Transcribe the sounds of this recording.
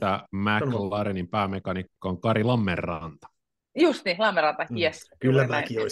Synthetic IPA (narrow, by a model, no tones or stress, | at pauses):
æmæklɑɾenimpæːmekɑnikːoːŋkɑɾilɑmːerːɑnt̪ɑ̥ | just̪ilɑmːerɑnt̪ɑkiɛskylːæmækioi